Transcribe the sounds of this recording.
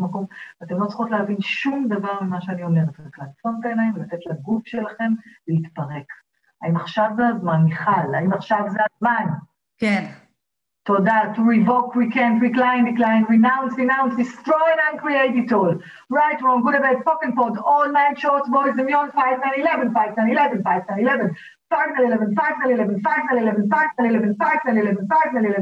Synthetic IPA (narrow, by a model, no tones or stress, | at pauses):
mako̞mvatemlot͡si̥χot̪leɦavinʃumdɐvaʁmimaʃeanio̞leχet̪aklanfombenajmlatetlaɡufʃelaχe̞mleitpɐʁek | aimaχʃavzeazmanːiχala̰imaχʃavzeazman | ke | todatuɹivokʰwikɛ̃ntwɹiklãj̃ndiklãj̃nɹinãw̃nsɹinãw̃nsdistɹɔ̃j̃nãnkɹieɪtitol | ɹajtwɔ̃nɡuɾəbɛtpokɪ̃ŋpɔdɔlnãj̃nʃɔtsboɾizɛ̃mjɔ̃nfajvnãjnilɛvə̃nfajvnãnilɛvə̃nfajvnãnilɛvə̃n | faɪvnalilɛvə̃nfaɪvnãnilɛvə̃nfaɪvnãlilɛvə̃nfaɪvnãnilɛvə̃nfajvnãnilɛvə̃nfaɪvnãlilɛv